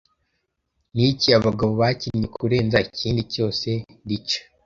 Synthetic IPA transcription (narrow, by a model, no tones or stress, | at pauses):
niciaβaɡaβoβaciɲɲekʰuɾe̞ːnzaiciːndico̞ːse̞dit͡ʃḁ